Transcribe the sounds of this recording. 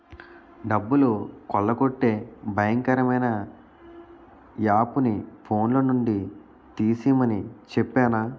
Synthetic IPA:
ɖɐbːulukɔɭːɐkoʈːe̞ːbʱɐjɐŋkɐɾɐmɐjnɐ | jaːpunipʰo̞ːnloːnuɳɖi | t̪iːsiːmɐnit͡ʃɛpːaːnaː

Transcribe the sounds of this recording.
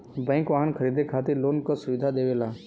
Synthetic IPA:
bɛ̃ːŋkʋaːɦənkʰəɾiːd̪ʱekʰaːt̪iɾloːnkəsʊʋɪd̪ʱad̪eːʋeːlaː

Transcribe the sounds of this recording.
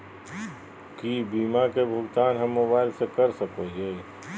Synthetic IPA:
kiːbiːmakebʱʊɡt̪aːnɦɐmːʊbaːɪlsekɐɾsəkod͡ʒeː

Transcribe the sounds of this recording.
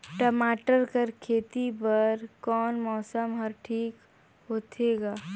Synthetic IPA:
ʈəmaːʈəɾkəɾkʰeːt̪ibəɾkɔːnmɔːsəmɦəɾʈʰiːk | ɦoːt̪ʰeːɡaː

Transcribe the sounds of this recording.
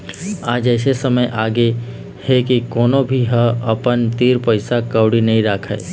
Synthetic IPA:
aːd͡ʒɛːsesɐməjʔaːɡe | hekikoːnõbʱiɦə̃ɐpənt̪iːɾpəɪsakəʊɽinɐɦĩɾaːkʰae

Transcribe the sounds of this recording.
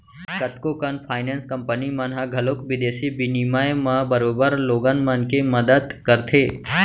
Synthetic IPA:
kət̪kokənpʰaːɪnẽnskəmpənimãnɦaɡʱəlokʋɪd̪eːsibinimaemãbəɾoːbəɾloːɡanmənkeməd̪əd̪kəɾt̪ʰeː

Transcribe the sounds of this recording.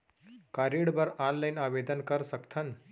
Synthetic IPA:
kaɾiɽbəɾanlajnaʋed̪ənkəɾsəkt̪ʰən

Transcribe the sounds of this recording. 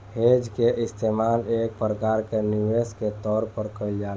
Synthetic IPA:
hed͡ʒkeʔɪst̪ʰemalek̚pɾəkaɾkeniʋesket̪ɔːɾpəɾkəld͡ʒal

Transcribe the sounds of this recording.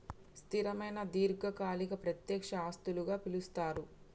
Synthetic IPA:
st̪iɾɐmɐjnɐd̪iːɾɡɐkaːlikɐpɾɐt̪jɛːkʂɐaːst̪uluɡaːpilust̪aːɾu

